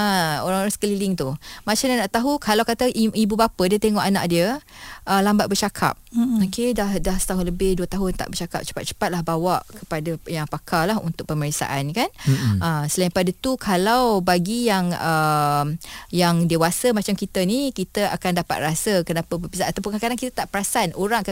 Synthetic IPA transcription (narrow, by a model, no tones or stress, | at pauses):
əoɾaŋoɾaŋsə̥kəlilɪŋt̪umat͡ʃamɲanaʔt̪aɦukalawkat̪əʔiibubapədiət̪eŋɔʔana̰ʔdiəʔəlambat̪̚bərt͡ʃakʰa̰p̚okedahdahsə̥t̪aɦʊnləbɪhduət̪aɦʊnt̪a̰ʔbərt͡ʃaka̰p̚t͡ʃə̥pat̪̚t͡ʃə̥pat̪̚lahbawaʔkʰəpadajaŋpakʰalaɦṵnt̪ʊk̚pəməɾisa̰ʔankanʔəsəlaĩŋpadat̪ukʰalawbaɡijaŋəmjaŋdewasəmat͡ʃamkit̪ənikit̪aakandapa̰t̪̚rasəkənapəbərbisaʔat̪apʊnkakadaŋkit̪at̪aʔpəɾasanʔoɾaŋk